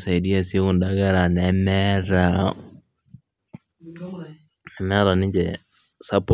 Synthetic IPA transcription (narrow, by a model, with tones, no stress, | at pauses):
sa˨i˨di˦a˨si˦e˦ku˨nda˦ɡa˦ɾa˨nɛmɛ˦ɾa | nɛ˨mɛ˦ɾa˨nɪ˦ɲd͡ʒɛ̰ | sa˦p